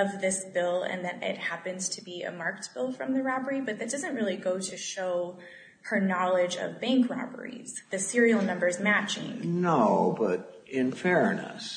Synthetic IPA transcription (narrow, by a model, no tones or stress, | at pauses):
ʌvðɪsb̥ɪlˠɨ̰̃nðɨɾɪ̰t̚hæpɨ̃nz̥tʰɨbiɨ̰mɑɹkt̚b̥ɪlˠfɹʌ̃mðɨɹɑbə˞ibʌt̪̚ðɨt̚d̥ʌzɨ̃nʔ̚ɹɪlˠiɡoʊɾɨʃoʊ | hə˞nɑlˠɪd͡ʒʌ̰vbæ̃ŋkɹɑ̰bə̰˞ḭz̥ðɨsɪɹil̩ˠnʌ̃mbə˞zmæt͡ʃɪ̰̃ŋnoʊbʌɾ | ɪ̃nfɛɹnə̰s